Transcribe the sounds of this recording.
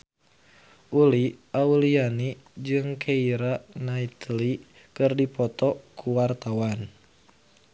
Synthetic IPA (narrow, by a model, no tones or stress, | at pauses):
ʔuliauliani | d͡ʒɨŋkʰeiɾanait̪li | kɨrdipɔt̪ɔkʰuwart̪awan